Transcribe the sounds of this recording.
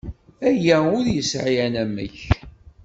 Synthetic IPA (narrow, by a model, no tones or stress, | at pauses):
æjæʊðjəsʕijænæmːə̰ç